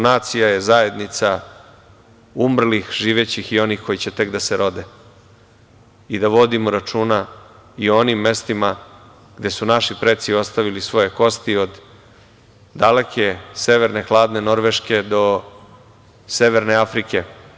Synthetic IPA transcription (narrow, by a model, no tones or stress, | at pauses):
naːt̪sijaje̞zaje̞d̪nit̪sa | umr̩lixʒiːʋe̞t͡ɕixio̞nixko̞jit͡ɕe̞t̪e̞kd̪aseɾo̞d̪e | id̪aʋo̞d̪imoɾat͡ʃuːnaio̞nimːe̞st̪ima | ɡ̥d̪e̞sunaʃipɾe̞t̪sio̞st̪aʋilisʋo̞je̞ko̞st̪io̞d̪ | d̪ale̞kʰe̞se̞ʋeɾne̞xlˠaːd̪ne̞no̞ɾʋeʃke̞d̪o̞ | se̞ʋe̞ɾne̞afɾike̞